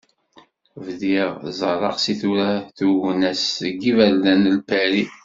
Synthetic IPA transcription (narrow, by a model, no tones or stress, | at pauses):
vðiʁzˤɑɾˤɑ̰qsiθuɾæθuwnæsɡivælːænəlpæɾi